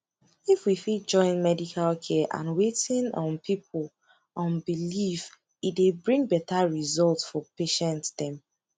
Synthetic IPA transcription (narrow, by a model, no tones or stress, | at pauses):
ifwifit̚d͡ʒɔ̃ɪ̃nmɛdikʰalkʰɛʔã̰nwetĩnɔ̃npʰipʰl | ɔ̃nbilif | itdebɹĩŋbɛtʰaɹizɔltsfɔpeʃɛ̃ntdɛ̃m